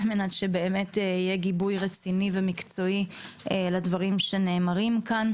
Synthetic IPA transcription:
lmenatʃebe̞ːme̞teijeɡibujʁet͡sinivemikt͡so̞i | eladvaʁimʃe̞ne̞ːmaʁimkan

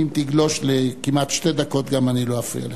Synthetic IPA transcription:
imt̪iɡlo̞ʃlekimat̪ʃted̪ako̞t̪ɡamaniloafḭa̰le

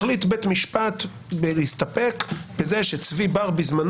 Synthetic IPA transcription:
litbetmiʃpat̪ | belist̪ape̞kbezeʃet͡svibaʁbizman

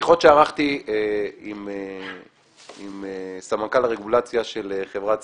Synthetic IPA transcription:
χot̪ʃeaʁaχt̪ieime | imesamakalaʁe̞ɡulat͡sjaʃe̞leχevʁat͡s

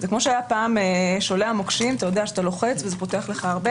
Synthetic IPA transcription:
zekmo̞ʃeajapaːmeʃo̞leamokʃimat̪ajo̞d̪eaʃat̪alo̞χe̞t͡svezepo̞teaχleχaaʁbe

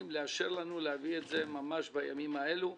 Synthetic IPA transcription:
mleaʃe̞ʁlanuleavietze̞mamaʃbaja̰mimae̞lu

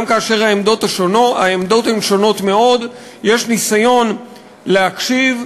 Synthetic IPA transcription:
mkaːʃe̞ʁaemdo̞taʃonaemd̪o̞the̞mʃo̞no̞tme̞o̞d | je̞ʃnisajo̞n | leakʃiv

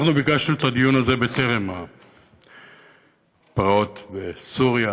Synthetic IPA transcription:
aχnubikaʃut̪ad̪ijunaze̞bet̪e̞ʁema | pʁao̞t̪besuʁja

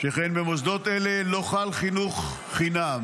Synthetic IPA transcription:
ʃeχenbemozd̪o̞t̪elelo̞χalχinuχː | inam

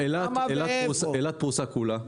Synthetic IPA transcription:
elaelaselat̪̚pusakula

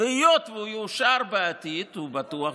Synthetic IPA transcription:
ejot̪veujuʃaɾbeːt̪it̪ubat̪ua

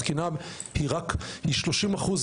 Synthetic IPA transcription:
kina | hiʁakhiʃloʃimaχuz

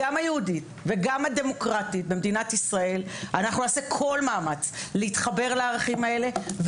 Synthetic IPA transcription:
amajehudit̪ | ve̞ɡamhad̪e̞mo̞kʁatit̚bemd̪inat̪isʁae̞lanaχnuaːsekʰo̞lmaːmat͡sleit̪χabe̞ʁlaːʁaχimae̞le̞v

